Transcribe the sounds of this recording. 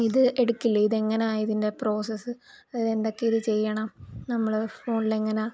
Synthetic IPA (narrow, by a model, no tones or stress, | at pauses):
iðɨe̞ɽukːilːɐiðe̞ŋːɐneaːjiðinde̞pro̞ːsesɨ | ɐðie̞nd̪o̞kːeiðɨt͡ɕe̞jːɐɳɐmnɐmːɐɭfo̞ːɳile̞ŋːɐneaː